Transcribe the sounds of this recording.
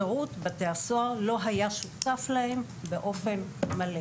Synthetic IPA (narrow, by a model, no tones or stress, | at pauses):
eʁut̪bat̪easoaʁlo̞ɦajaʃut̪aflahe̞m | beʔo̞fe̞nmale